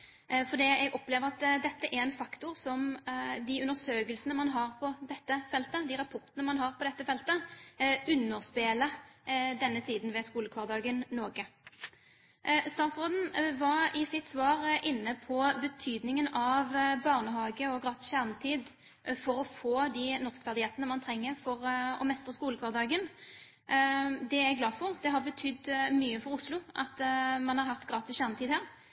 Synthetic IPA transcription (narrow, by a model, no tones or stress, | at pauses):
fɔʁd̪iːɛɡɔpleːʋəʁɑt̪d̪ɛt̪ːəʔæʁɛnfɑkt̪ʊʁsɔmd̪iʉnəʁsøːkəlsənəmɑnɦɑʁpʰɔd̪ɛt̪ːəfɛlt̪əd̪iʁɑpʰɔʁt̪nəmɑnɦɑʁpɔd̪ɛt̪ːəfɛlt̪ə | ʉnːəʁspeːləd̪ɛnːəsiːd̪nʋɛskuːləkʰʋɑːʁd̪ɑːɡənnɔːɡə | st̪ɑːt̪sʁoːd̪n̩ʋɑʁɪsɪt̪sʋɑːʁɪnːəpʰɔbət̪ʰyːd̪nɪŋənɑʋbɑʁnəɦɑːɡəɔɡʁɑːt̪ɪ̥sɕæʁnət̪ʰiːd̪ | fɔɾɔfoːd̪iːnɔʁskə̥fɑʁd̪ɪhɛːt̪ənəmɑnt̪ʰɾɛŋːəʁfɔʁɔ̰mɛst̪ʁəskuːləkʰʋɑːʁd̪ɑːɡən | d̪ɛæɡlɑːd̪fɔʁd̪ɛɦɑʁbət̪ʰʏd̪myːəfɔɾʊslʊʔɑt̪mɑnhɑʁɦɑft̪ɡʁɑːt̪ɪsɕæːʁnət̪iːd̪hæːʁ